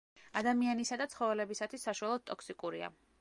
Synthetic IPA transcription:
ad̪amianisad̪at̪sʰχɔvɛlɛbisat̪ʰwisːaʃualˠɔd̪̚t̪ʼɔksikʼuɾia̰

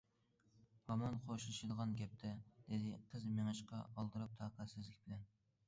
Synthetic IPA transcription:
hɑmɑnqʰoʃlˠɨʃid̪ʁɑnɡʲɛp̚t̪ʰɛd̪̥ɪd̪ɪqʰəzmeŋɨʃqɑ̰ɑlˠd̪ɨɾɑp̚t̪ʰɑːqʰæt̪sɪzlɪkʲbɪlɛn

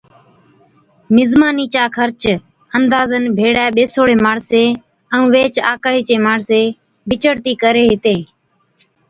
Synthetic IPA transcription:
mɪzmaːniːt͡ʃaːkʰəɾt͡ʃ | ənd̪aːzənbʱeːɽaːɓeːsoːɽeːmaːɽseː | əũːʋeːt͡ʃa̰ːkaːɦiːt͡ʃeːmaːɳseː | bʱɪt͡ʃəɽt̪iːkəɾeːɦɪt̪eː

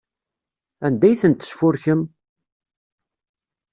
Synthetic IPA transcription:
ænd̪æjθənt̪ːə̥sfʊɾçəm

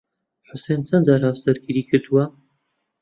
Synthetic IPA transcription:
ħʊseːnt͡sʰɐnzaːɾawsɐɾɡiɾikʰɨɾd̪uwɐ

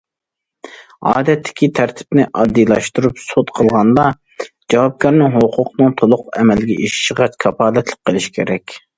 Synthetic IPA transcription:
ɑːd̪ɛt̪ʰːɪ̥kʲit̪ʰæɾt̪ʰɪ̥pnɪʔɑd̪ːilˠɑʃt̪uɾupsot̪qʰəlˠʁɑnd̪ɑ | d͡ʒɑwɑp̚kʲʰɑɾnɨŋɦoqʰʊqnɨŋt̪ʰolˠʊqɛmɛlɪɡʲɛʔiʃi̥ʃəʁɑt͡ʃkʰɑpɑːlɛt̪ʰlˠə̥qʰːəlˠɪʃkʲʰeɾɛkʲ

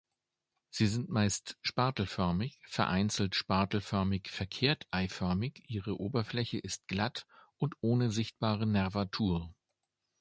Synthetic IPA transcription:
z̥iːzɪntmaɪstʃpaɐtl̩fœɐmɪçfɛɐʔaɪnt͡sl̩tʃpaɐtl̩fœɐmɪçfɛɐkʰeːɐtʰʔaɪfœɐmɪçʔiːʁəʔoːbɐflɛçəʔɪst̚ɡ̥lat | ʊntʔoːnəzɪçt̚b̥aːʁənɛɐvatʰuːɐ

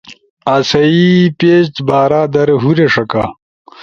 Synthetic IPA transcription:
asɐipeːst̪baːɾaːd̪ɐɾeɦuɾeʂɐka̰

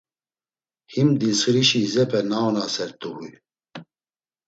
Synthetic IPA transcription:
himd̪isɨɾiʃizɛpɛnaːwnaːsɛɾt̪uwu

